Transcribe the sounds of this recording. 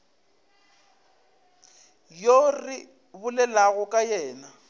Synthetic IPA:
jorɪ | bʊlɛlaɣʊkʼajɛːna

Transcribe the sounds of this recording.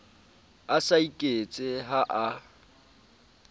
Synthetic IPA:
asaikʼet͡sʼɪɦaʔa

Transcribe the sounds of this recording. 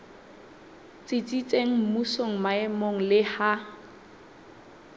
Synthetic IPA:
t͡sʼɪt͡sʼit͡sʼeŋ̩m̩musoŋ̩maɛmoŋ̩lɪha

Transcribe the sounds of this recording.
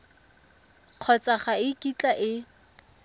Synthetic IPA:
q͡χʰɔt͡sʼaχaɪkʼit͡ɬʼaʔɪ

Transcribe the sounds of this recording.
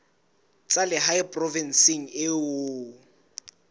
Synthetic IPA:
t͡sʼalɪɦajpʼrɔvɛnsiŋ̩ɪʊ

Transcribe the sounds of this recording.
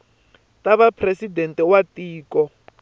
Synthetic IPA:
taβapʰresidɛntɛwatiːkɔ

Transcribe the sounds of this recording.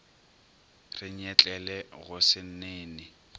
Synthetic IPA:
rɪɲ̩ɛt͡ɬʼɛlɛɣʊsɪn̩neːnɪ

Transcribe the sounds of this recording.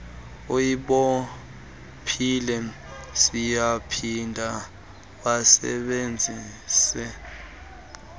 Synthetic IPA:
oiɓɔ | pʰilɛ | sijapʰindʱa | ɓasɛ̰ɓend͡zʱiːsɛ

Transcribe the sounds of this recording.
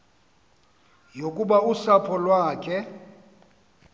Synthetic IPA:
jokʼuɓausapʰɔlwaːkʰɛ

